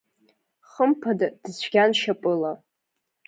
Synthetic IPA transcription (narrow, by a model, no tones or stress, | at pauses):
χəmpʰadad̥ɨzt͡ʃʷʰɡʲanʃapʼɨla